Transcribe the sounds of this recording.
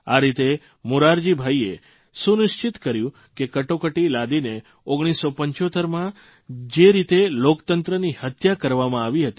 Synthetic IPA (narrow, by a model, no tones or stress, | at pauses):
aɾit̪e | muɾaɾd͡ʒibʱaie | sunɪʃt͡ʃɪt̪kəɾjũ | kekəʈokəʈilad̪ine | oɡɽ̃isːopəɲt͡ʃot̪əɾmã | d͡ʒeɾit̪elokt̪ənt̪ɾənihət̪ʰjakəɾʋamãaʋiɦət̪i